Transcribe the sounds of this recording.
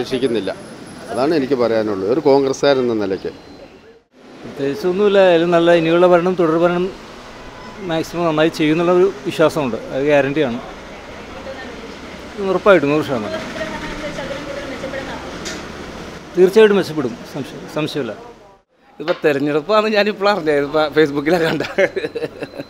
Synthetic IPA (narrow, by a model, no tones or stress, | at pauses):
ekʂikʲːunːilːɐ̰ɐðaːɳɨe̞nikʲːɨpɐrɐjaːnuɭːuoɾuko̞ːŋɡrɐskaːɾenːɐnilɐkʲːɨ̰ | prɐt̪ːe̞ːit͡ɕːonːumɐlːɐlːenɐlːɐenijuɭːɐpɐɾɐɳɐmt̪uɽɐrpɐɾɐɳɐm | aːksimɐmnɐnːaːjit͡ɕe̞jːunːuɭːɐo̞ɾuʋiɕwaːsɐmuɳɖɨɐðɨɡaːɾɐnɖijaːɳɨ | nurɐpːaːjiʈːunːɐʂaːnɐ | ɐɐɐʋet͡ɕːɐpːeɽuna | t̪iːrt͡ɕːaːjiʈːɨmʋet͡ɕːɐp̬ːeɽumsɐmɕjɐsɐmɕjɐmɐlːɐ | iðɨpːoːt̪eɾɐɲːɐɽɐpːoɐnɨɲaːnipːuɭɐɐrɐɲːaiðɨpːfesbukːilakːaːɳɖa